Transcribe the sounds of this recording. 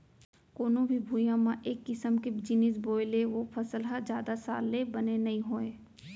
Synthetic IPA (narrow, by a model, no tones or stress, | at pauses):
koːnõbʱibʱuːjãmãʔeːkːɪsəmked͡ʒɪnisboːɪleʋopʰɐsəlɦad͡ʒjaːd̪asa̰ːlːebɐnenɐɦĩɦoːeː